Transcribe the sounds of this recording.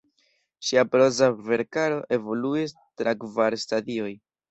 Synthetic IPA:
ʃiapɾo̞zave̞ɾkaɾo̞ʔe̞vo̞luis | tɾakvaɾstadio̞j

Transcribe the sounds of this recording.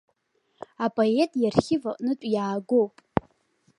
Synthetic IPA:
apʼoe̞tʼjarχʲɪvaʔʼnɨt͡ʃʷʼjaːɡo̞wpʼ

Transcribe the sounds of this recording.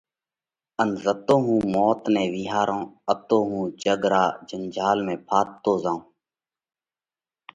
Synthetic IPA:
ənzət̪õːɦũːmɔːt̪nẽːʋiːɦaːɾõːət̪õːɦũːt͡ʃəɡɾa̰ːd͡ʒənd͡ʒaːlmẽːpʰaːt̪ːoːzaːũː

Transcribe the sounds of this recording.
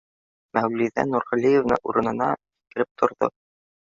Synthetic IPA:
mæwliðæ̰nuɾʁɵ̆lʲijevnɤ̰ʔuɾɤ̆nɤ̆nɑt̪i̥kɘ̆ɾɘp̚t̪ʰŏɾðo̰

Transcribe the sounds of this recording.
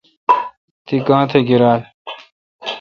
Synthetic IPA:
t̪ikãːt̪ʰeɡiɾaːl

